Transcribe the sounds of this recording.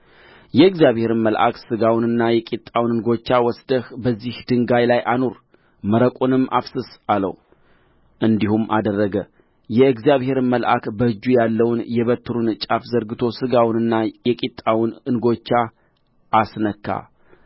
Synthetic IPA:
jɛɨɡzijaβhe̞ɾɨnməlʔa̰ksɨɡawnɨnːajɛkʼit̪ʼːawnɨnɡo̞t͡ʃːawɔsd̪əhbəzːihd̪ɨŋɡajlajʔano̞ɾ | məɾəkʷʼunɨmːʔafsɨsalə̰w | ʔɨnd̪ihumʔad̪ərːəɡə | jɛɨɡzjaβhe̞ɾməlʔa̰kbəɨd͡ʒːujalːəwnjɛβət̪ʰːɨɾunt͡ʃʼafzəɾɡɨt̪ʰo̞sɨɡawnɨnːajɛkʼit̪ʼːawnɨnɡo̞t͡ʃːa | ʔːsnəkʰːa̰

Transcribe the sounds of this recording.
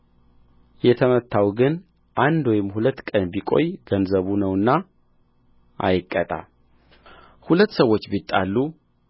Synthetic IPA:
jɛt̪ʰəmət̪ʰːawɡɨn | ʔand̪wɔjɪmhulət̪ːkʼənbikʼo̞̰jɡənzəβunəwɨnːa | ʔa̰jɪkʼːət̪ʼa̰ | hulət̪ːsəwːo̞t͡ʃːbit̪ʼːalːu

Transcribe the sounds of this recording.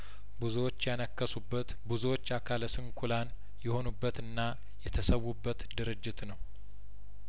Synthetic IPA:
buzuwot͡ʃːjanəkːəsubːət̪buzuwo̞t͡ʃːakʰaləsɨŋkʰulan | jɛho̞nubːət̪ɨnːa | jɛt̪ʰəsəwːubːət̪d̪ɨɾɨd͡ʒːɪt̪nəw

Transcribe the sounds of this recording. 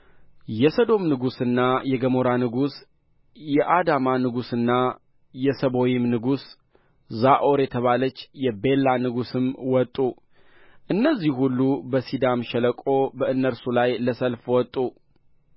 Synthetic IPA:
jɛsəd̪o̞mnɨɡusɨnːajɛɡəmo̞ɾanɨɡus | jɛʔad̪amanɨɡusɨnːa | jɛsəβo̞jɪmnɨɡus | zaʔo̞ɾjɛt̪ʰəβalət͡ʃːjɛbe̞lːanɨɡusɨmwɔt̪ʼːu | ʔɨnːəzːihhulːubəsid̪amʃɛləkʼo̞bəɨnːəɾsulajləsəlfwɔt̪ʼːu

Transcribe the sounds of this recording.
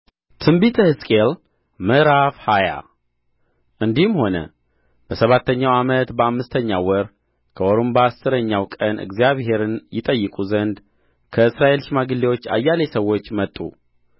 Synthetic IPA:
t̪ʰɨmbit̪ʰəhɨskʼel | mɨɾafhaja̰ | ʔɨnd̪ihɨmho̞nə̰ | b̥əsəβat̪ːəɲːawamət̪bəamːɨst̪ʰəɲːawɔɾ | kʰəoɾombaasːɨɾəɲːawkʼənʔɨ̰ɡzijaβhe̞ɾɨnjɪt̪ʼəjːɨkʼuzənd̪ | kʰəɨsɾaʔe̞lʃimaɡɨlːewo̞t͡ʃːa̰jːalesəwːo̞t͡ʃːmət̪ʼṵ

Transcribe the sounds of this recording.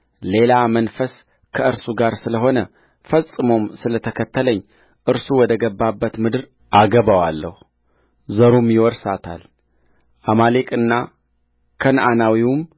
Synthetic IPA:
le̞lamənfəs | kʰəɨɾsuɡaɾsɨləɦo̞nə | fəsʼɨmo̞msɨlət̪ʰəkʰət̪ːələɲː | ʔɨɾsuwɔd̪əɡəbːabːət̪mɨd̪ɨɾ | ʔaɡəβawalːə̰hu | zəɾumjɪwɔɾsat̪ʰa̰l | ʔamalekʼɨnːa | kʰənʔanawiwum

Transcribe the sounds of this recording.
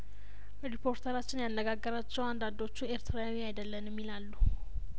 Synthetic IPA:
ɾipʰo̞ɾt̪ʰəɾat͡ʃːɪnjanːəɡaɡːəɾat͡ʃːɛwand̪and̪o̞t͡ʃːueɾt̪ʰɾaawiajd̪əlːənjɛmːilalːu

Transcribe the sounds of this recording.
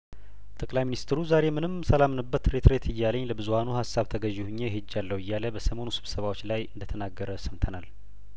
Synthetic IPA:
t̪ʰʼəkʼlajminist̪ʰɾuzaɾe̞mɨnɨmsəlamnɨbːət̪ɾet̪ʰɾet̪ʰɨjːaləɲːləbɨzuhanuhasːaβt̪ʰəɡəʒːɪhuɲːehɨd͡ʒːalːəwɨjːaləbəsəmo̞nusɨβsəβawot͡ʃːlajɨnd̪ət̪ʰənaɡːəɾəsəmt̪ʰənal

